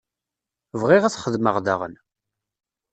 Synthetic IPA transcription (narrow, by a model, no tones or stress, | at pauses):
vʁɪʁæθχəðməʁða̰ʁə̰n